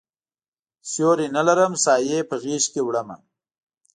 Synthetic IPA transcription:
sjoɾinalaɾəmsɑːjepəɣiːʃkewɽama̰

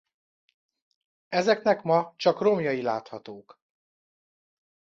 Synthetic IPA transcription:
ɛzɛkn̪ɛkmɒt͡ʃɒkro̞mjɒjilaːt̪hɒt̪oːk

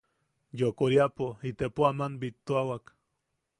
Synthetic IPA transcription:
jokoɾiapoit̪epoamanbit̪ːoawak

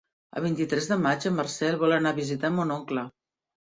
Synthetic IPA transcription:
ə̰β̞int̪it̪ɾɛzðəmad͡ʒəmːərsɛlˠβɔlənaβizit̪amonoŋklə

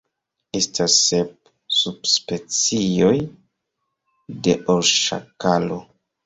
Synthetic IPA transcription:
e̞stʰasːep̚ | sub̥spe̞t͡sio̞j | de̞ʔoɾʃa̰kalo

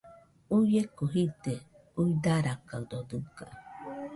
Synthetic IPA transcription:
ujekoɦit̪e | uid̪aɾakaɨd̪od̪ɨka̰

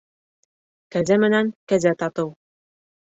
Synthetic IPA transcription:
kæzæmɘ̆næŋkæzæt̪ɑt̪ɤw

